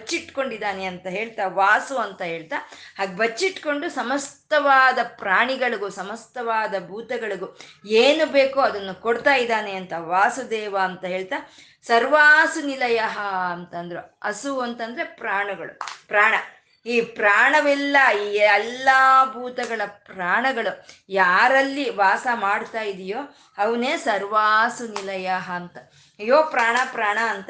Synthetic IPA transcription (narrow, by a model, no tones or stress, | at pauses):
ɐt͡ʃːiʈko̞ɳɖid̪aːneɐnt̪ɐɦe̞ːɭt̪aːʋaːsuɐnt̪ɐɦe̞ːɭt̪aːhaːɡebʱɐt͡ʃːiʈːko̞ɳɖusɐmɐst̪ɐʋaːd̪ɐpɾaːɳiɡɐɭuɡusɐmɐst̪ɐʋaːd̪ɐbʱuːt̪ɐɡɐɭuɡueːnubeːkoɐd̪ɐnːukoɽt̪aːjid̪aːneɐnt̪ɐʋaːsud̪ɛːʋɐːnt̪ɐɦe̞ːɭt̪aː | sɐɾʋaːsunilɐjɐɦɐɐnt̪ɐnd̪ɐɾuɐsuɐnt̪ɐnd̪ɐɾe̞pɾaːɳɐɡɐɭṵpɾaːɳɐ | iːpɾaːɳɐʋɛlːɐiːɛlːabʱuːt̪ɐɡɐɭɐpɾaːɳɐɡɐɭujaːɾɐlːiʋaːsɐmaːɽt̪aːjid̪ijoː | ɐʋɐneːsɐɾʋaːsunilɐjaɦɐːnt̪ɐ | ɐjoːpɾaːɳɐpɾaːɳɐːnt̪ɐ